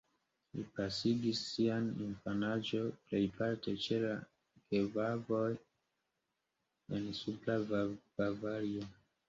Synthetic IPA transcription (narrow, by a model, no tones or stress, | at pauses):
lipasiɡisːianinfanad͡ʒo̞ple̞jpaɾte̞t͡ʃela | kevavo̞j | ensuplab̥avaɾio